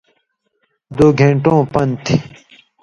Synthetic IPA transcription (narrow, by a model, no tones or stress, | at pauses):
d̪oːɡʱẽːɳʈõːpɐnt̪ʰi